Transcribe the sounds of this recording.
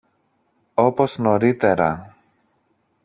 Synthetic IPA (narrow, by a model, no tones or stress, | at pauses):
o̞po̞zno̞ɾit̪e̞ɾɐ̰